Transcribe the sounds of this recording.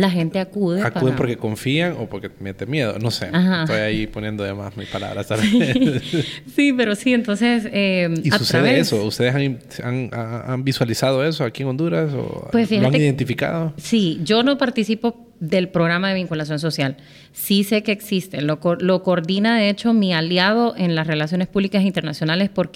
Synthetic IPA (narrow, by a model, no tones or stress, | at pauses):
laxe̞nt̪e̞akuðeakuðempoɾkeko̞ɱfiaŋopoɾkemet̪emje̞ð̞o̰no̞sḛahaojaiponje̞nd̪oðema̰smispala̰βɾast̪al | sipe̞ɾo̞sient̪o̞nseseisatsusaeðeeesoust̪e̞ðesasaŋaambiswalisaðo̞e̞soakieŋo̞nd̪uɾaso̰pwesfihaloaŋiðent̪ifika̰ðosid͡ʒo̞no̞paɾt̪isipo̞ | ðe̞lpɾo̞ɣ̞ɾamaðe̞β̞iŋkulasjo̞nso̞sjal | sise̞ke̞ːksist̪e̞lokolo̞koɾðinaðe̞e̞t͡ʃo̞mialjað̞o̞ʔe̞nlasre̞lasjo̞ne̞spuβlikasint̪e̞ɾnasjo̞nale̞spo̞ɾk